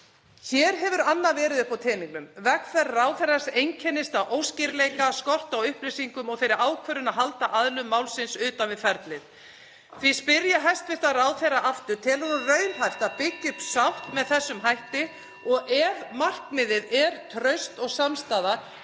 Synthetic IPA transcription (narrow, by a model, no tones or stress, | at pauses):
çɛːɾ̥ɦɛvʏɾanːavɛːɾɪðɪpawt̪ʰɛːniŋknʏmvɛkfɛrːaːwθɛrːasejɲcʰɛnːɪst̪aʔowscɪɾleːjkaskɔr̥t̪awʏhpɾisiŋkʏmɔɣθejɾɪɾaːwkʰvœɾʏnaðɦalt̪aʔaðlʏmːaːwlsɪnsʏːt̪anvɪðfɛɾt̪lɪð | θvi̥spɪɾjaɦɛst̪vɪ̥t̪araːwθejraʔaft̪ʏɾt̪ʰɛlɔɾrœːɥlɦajft̪apɪcːɪ̥t̪sawht̪mɛðθɛsːʏmɦajht̪ɪ | ɔɣɛvmar̥kmɪðɪðɛɾ̥t̪ʰɾœɥst̪ɔɣsamst̪aːða